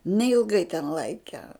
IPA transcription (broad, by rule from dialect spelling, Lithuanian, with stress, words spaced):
nʲɛɪlˠˈɡɐɪ tʲɛn ˈlˠɐɪkʲɛ